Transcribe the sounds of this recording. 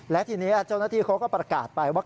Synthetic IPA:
lɛ˦˥t̪ʰiː˧niː˦˥ʔa˧˥˩t͡ɕaː˥˩naː˥˩iː˧kʰa˦˥wkɔː˥˩pɾa˧ka̰ː˨˩t̪̚pa˧jwaː˥˩

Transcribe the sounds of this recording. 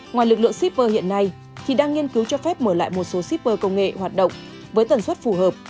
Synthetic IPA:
ŋwaː˨˩jlɨ˨˩k̚lɨ̰˧˨əŋsi˦˥p̚vəː˧hḭ˧˨ənːa˧j | t̪ʰi˨˩ɗaː˧ŋi˧ənki˨˦wt͡ɕɔ˧fɛ˦˥p̚məː˧˩la̰ː˧˨jmo˨˩t̚so˨˦si˦˥p̚vəː˧kə˧wŋ͡mŋḛ˧˨hwaː˨˩t̚ɗə̰˧˨wŋ͡m | vəː˨˦jt̪ə˨˩nswə˦˥t̚fu˧˩ɦəː˨˩p̚

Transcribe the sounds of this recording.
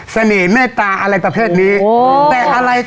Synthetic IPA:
sa˧neː˩˦mɛː˥˩t̪aː˧ʔa˧ɾa˧jpɾa˧pʰeː˥˩t̪̚niː˦˥t̪ɛː˨˩ʔa˧ɾa˧j

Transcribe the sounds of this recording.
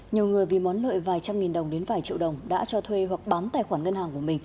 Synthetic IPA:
ɲi˨˩əwŋɨ˨˩əjvi˨˩mɔ˨˦nlo̰˧˨jvaː˨˩jt͡ɕa˧mŋi˨˩nɗə˨˩wŋ͡mɗe˨˦nvaː˨˩jt͡ɕḭ˧˨wɗə˨˩wŋ͡mɗa̰ː˧˥t͡ɕɔ˧t̪ʰwe˧ɦwa˨˩k̚ɓaː˨˦nt̪a̰ː˧˩jxwaː˧˩nŋə˧nhaː˨˩ŋku˧˩əmï˨˩ŋ̟

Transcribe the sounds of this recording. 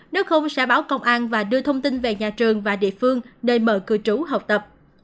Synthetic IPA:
ne˨˦wxə˧wŋ͡msɛ̰˧˥ɓaː˨˦wkə˧wŋ͡mʔaː˧nvaː˨˩ɗɨ˧ət̪ʰə˧wŋ͡mt̪i˧nve˨˩ɲaː˨˩t͡ɕɨ˨˩əŋvaː˨˩ɗḭ˧˨əfɨ˧əŋnə˧˩mə̰ː˧˩kɨ˨˩t͡ɕu˨˦ɦə˨˩w̚k͡p̚t̪ə˨˩p̚

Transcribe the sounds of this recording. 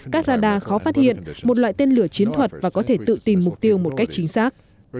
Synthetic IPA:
kaː˦˥k̚zaː˧ɗaː˨˩xɔ˨˦faː˦˥t̚hḭ˧˨ənmo˨˩t̚wa̰ː˧˨jt̪e˧nlɨ˧˩ət͡ɕi˨˦ənt̪ʰwə˨˩t̚vaː˨˩kɔ˨˦t̪ʰe˧˩t̪ɨ̰˧˨t̪i˨˩mːʊ˨˩k͡p̚t̪i˧əwmo˨˩t̚ka˦˥jk̚t͡ɕï˨˦ŋ̟saː˦˥k̚

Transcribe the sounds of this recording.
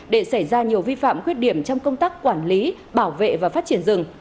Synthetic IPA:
ɗe˧˩sa˧˩jzaː˧ɲi˨˩əwvi˧fa̰ː˧˨mkwi˦˥ət̚ɗi˧˩əmt͡ɕɔ˧wŋ͡mkə˧wŋ͡mt̪aː˦˥kkːwaː˧˩nli˨˦ | ɓaː˧˩wvḛ˧˨vaː˨˩faː˦˥t̚t͡ɕi˧˩ənzɨ˨˩ŋ

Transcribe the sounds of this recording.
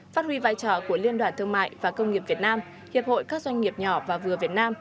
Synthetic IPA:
faː˦˥t̚hwi˧vaː˧jt͡ɕɔː˧˩ku˧˩əli˧nɗwaː˧˩nt̪ʰɨ˧ŋma̰ː˧˨jvaː˨˩kə˧wŋ͡mŋi˨˩əp̚vi˨˩ət̚naː˧m | hi˨˩əp̚ho̰˧˨jkaː˦˥k̚zwa˧jŋ̟ŋi˨˩əp̚ɲɔ˨˧˩vaː˨˩vɨ˨˩əvi˨˩ət̚naː˧m

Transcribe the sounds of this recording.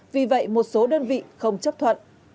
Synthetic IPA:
vi˨˩və̰˧˨jmo˨˩t̚so˨˦ɗəː˧nvḭ˧˨xə˧wŋ͡mt͡ɕə˦˥p̚t̪ʰwə̰˧˨nʔ

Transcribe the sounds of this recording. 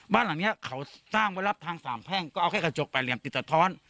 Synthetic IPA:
baː˧˥˨nla˨˦ŋni˦˥ɐkʰa˩˦wsaː˥˩ŋwaː˧˥jla˧˥˩p̚t̪ʰaː˧ŋsaː˨˦mpʰɛː˥˩ŋkɔː˥˩ʔa˧wkaː˥˩kʰt͡ɕo˨˧˩k̚pa˨˩jli˨˩əmt̪i˨˩t̪̚sa˧t̪ʰɔː˦˥n

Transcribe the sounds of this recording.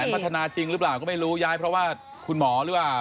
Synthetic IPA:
pa˦˥t̪ʰːa˧naː˧t͡ɕi˧ŋɾɯː˦˥plaː˨˩wkɔː˥˩ma˥˩jɾuː˦˥jaː˦˥jpʰɾɔ˦˥waː˥˩ | kʰu˧nmɔː˩˦ɾɯː˩˦˥plaː˨˩

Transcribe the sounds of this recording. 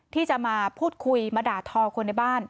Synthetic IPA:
t̪ʰiː˥˩t͡ɕa˨˩maː˧pʰuː˥˩t̪̚kʰu˧jmaː˧daː˨˩t̪ʰːɔː˧kʰo˧nːa˧jbaː˥˩n

